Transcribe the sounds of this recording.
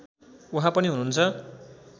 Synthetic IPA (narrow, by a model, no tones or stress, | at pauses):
wɦãpʌniɦununt͡sʰʌ